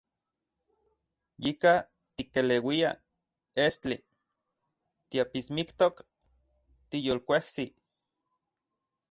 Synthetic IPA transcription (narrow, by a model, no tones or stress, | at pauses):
jika | t̪ikelewia | est͡ɬi | t̪iapismikt̪ok | t̪ijoːlkʷehsi